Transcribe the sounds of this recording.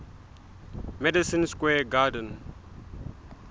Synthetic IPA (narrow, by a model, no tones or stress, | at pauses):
mɛdisĩnskwɛɡadə̃n